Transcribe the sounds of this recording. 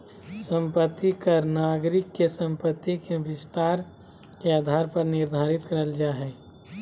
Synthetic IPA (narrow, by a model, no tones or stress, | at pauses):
sə̃mpət̪ːikəɾnaːɡɾɪkːesə̃mpət̪ːikeʋɪst̪aːɾ | keaːd̪ʱaːɾpəɾnɪɾd̪ʱaːɾɪt̪kəɾəld͡ʒaːɦɛː